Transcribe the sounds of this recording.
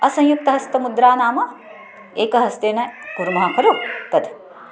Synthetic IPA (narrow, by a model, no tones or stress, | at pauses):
ɐsɐ̃jjuk̚t̪ɐɦɐst̪ɐmud̪ɾaːnaːmɐ | eːkɐɦɐst̪eːnɐɡuɾumɐɦakʰɐɾot̪ɐd̪ʱ